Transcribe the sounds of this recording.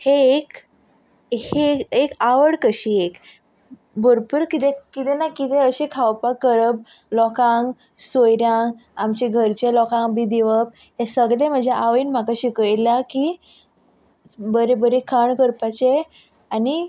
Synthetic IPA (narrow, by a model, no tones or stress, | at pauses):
heek | heekaʋəɽkəɕiek | bəɾpuɾkit̪ekit̪enakit̪ẽəɕekʰaʋpaəɾəb | lɔkãŋɡ | sojɾjãŋɡamt͡ɕeɡʱəɾt͡ɕelɔkãŋɡbʱid̪iʋəp̚ | ɦesəɡlem̤əd͡ʑʱeaʋinm̤akaɕikəjlaki | bəɾebəɾekʰəɳkəɾpat͡ɕe | ani